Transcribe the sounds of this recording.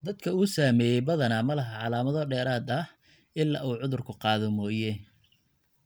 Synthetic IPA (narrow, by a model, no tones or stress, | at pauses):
d̪ɐd̪̚kʰɐuːsaːmɛːjɛjbɐðɐnaːmɐlɐɦɐʕɑlaːmɐðɔɖɛːɾaːd̪ɐh | ɪlːa̰ːʔuːʕʊðʊrkʰʊqɑːðɔmɔːjɛ